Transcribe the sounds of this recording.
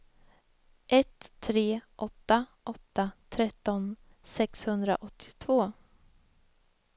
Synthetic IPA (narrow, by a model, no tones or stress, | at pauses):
ʔɛt̪ʰːɾeːʔɔt̪ːaʔɔt̪ːat̪ʰɾɛt̪ːɔn | sɛkshɵnd̪ɾa̰ʔɔt̪ʰːɪ̥t̪ʰvoː